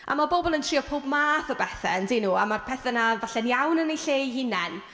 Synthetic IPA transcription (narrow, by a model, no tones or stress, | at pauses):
ʔa̰mabobɔlˠəntʰr̥iːɔpʰoːb̚maːθəbɛθɛ̰ndɪnuːamarpʰɛθɛnavaɬɛnjawnənejɬeːɦɪnɛn